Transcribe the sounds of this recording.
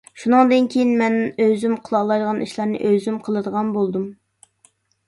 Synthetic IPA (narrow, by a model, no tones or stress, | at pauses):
ʃunɨŋd̪ɨnkʲʰejinmɛnøzymqʰəlˠɑlˠːɑjd̪əʁɑniʃlˠɑɾnɨ̰ʔøzymqʰəlˠɨd̪əʁɑnbolˠd̪um